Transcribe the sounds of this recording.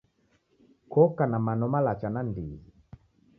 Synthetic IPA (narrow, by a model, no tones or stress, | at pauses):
kɔkanamanɔmalat͡ʃanandii